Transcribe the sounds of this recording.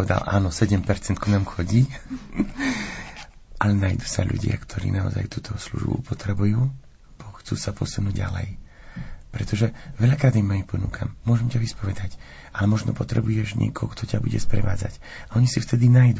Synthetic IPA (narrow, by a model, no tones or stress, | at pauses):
ʋɛd̪a̰lʔa̰ːnɔsɛɟɛmpɛɾt͡sɛnt̪̚kunaːmxɔɟiː | ʔalɛnajd̪uːsaʎṵɟɪa̰kt̪ʰɔɾḭːnaɔ̰za̰jt̪uːt̪ɔslṵʒbṵpɔt̪ɾɛbujuː | b̥ɔxt͡suːsapɔsunuːɟɟa̰lɛ̰j | pɾɛt̪ɔʒɛʋɛʎakɾaːd̪imːajipɔnṵkʰa̰mmʊɔʒɛmcaʋispɔʋɛd̪ac | ʔalɛmɔʒnɔ̰pɔt̪ɾɛbujɛʒɲɪɛ̰kɔɦɔkt̪ɔcabuɟɛ̰spɾɛ̰ʋaːd͡za̰c | aɔɲisift̪ɛd̪inajd̪u